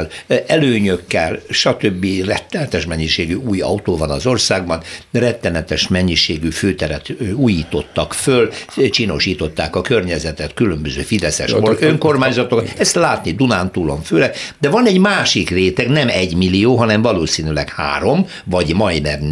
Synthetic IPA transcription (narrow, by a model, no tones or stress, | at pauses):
lɛløːɲøkːɛlʃɒt̪øbːirɛt̪ːɛnɛt̪ɛʃmɛɲːiʃeːɡyuːjɒ̰ut̪oːvɒnɒzo̞rsaːɡ̚bɒnrɛt̪ːɛnɛt̪ɛʃmɛɲːiʃeːɡyføːt̪ɛɾɛt̪uːjiːt̪o̞t̪ːɒkfølt͡ʃiːno̞ʃiːt̪o̞t̪ːaːkɒkørɲɛzɛt̪ɛt̪kylømbøzø̰ːfid̪ɛsɛ̰ʃoøŋkormaːɲzɒt̪okt̪ɛst̪laːt̪nid̪unaːnt̪uloɱføːlɛd̪ɛvɒnɛɟmaːʃikreːt̪ɛɡnɛmɛɟmilːijoːɦɒnɛɱvɒloːsiːnylɛɡha̰ːɾo̞m | vɒɟmɒjnɛm